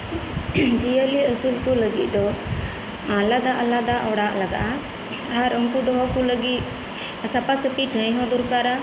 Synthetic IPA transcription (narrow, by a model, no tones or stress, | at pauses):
d͡ʒijəliəsulkuləɡit̪̚ˀd̪ɔ | ãlad̪aʔalad̪aʔɔɽaʔlaɡa̰ʔa | aɾəŋkud̪ɔɦɔkuləɡit̪ | sapasəpiʈʰə̃jɦɔ̃d̪ɔɾkaɾa